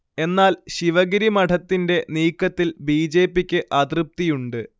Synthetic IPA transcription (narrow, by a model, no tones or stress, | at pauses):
e̞nːaːlɕiʋɐɡiɾimɐʈʰɐt̪ːinde̞niːkːɐt̪ːilbiːd͡ʑe̞ːpːikʲːɨʔɐd̪rɨp̚t̪ijuɳɖɨ